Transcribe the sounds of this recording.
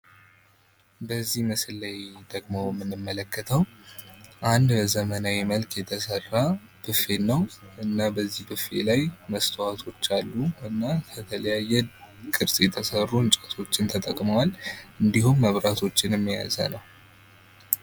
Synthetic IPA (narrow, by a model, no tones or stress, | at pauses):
bəzːihmɨslːajd̪əɡmo̞jɛmːɨnːɨmːələkːət̪ʰəw | ʔand̪bəzəmənawɛməlkʰjɛt̪ʰəsərːa | b̥ɨfe̞nəwʔɨnːabəzːihbɨfe̞̰lajməst̪ʰəwat̪ʰo̞t͡ʃːalːuɨnːakʰət̪ʰələjajɛkʼɨɾsʼjɛt̪ʰəsərːunt͡ʃʼət̪ʰo̞t͡ʃːɪnt̪ʰət̪ʼəkʼməwalɨnd̪ihumːəβɾat̪ʰo̞t͡ʃːɪnɛmːija̰za̰nəw